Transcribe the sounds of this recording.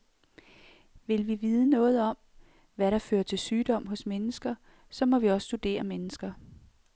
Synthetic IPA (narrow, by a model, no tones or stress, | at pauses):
ʋe̝lʋiʋið̞ˠənɔ̽ːð̞̩ˠɒ̽m̰ | ʋæɾɑ̈fø̰ːɐt͡sʰe̝lsyːd̥ɒ̽m̰ɦɔ̽smenəsɡ̥ɐ | sɒ̽mɒ̽ʋiɒ̽ssːd̥ud̥e̝̰ːɐmenəsɡ̥ɐ